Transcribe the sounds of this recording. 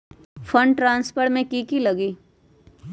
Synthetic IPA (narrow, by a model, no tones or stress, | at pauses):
fʰə̃ɳɖʈɾãːnspəɾmẽkikilɐɡiː